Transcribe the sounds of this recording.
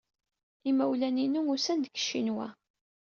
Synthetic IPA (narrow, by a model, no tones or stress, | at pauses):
imæwlæninuʊsænd̪əkːə̥ʃːinwæ̰